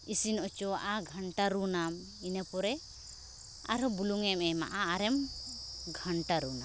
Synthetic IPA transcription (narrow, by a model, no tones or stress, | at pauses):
isinɔt͡ʃɔwaʔaɡʱəɳʈaɾunam | inɛpɔɾɛ | a̰ɾɔbuluŋɛmɛmaʔaːɾɛm | ɡʱəɳʈaɾuna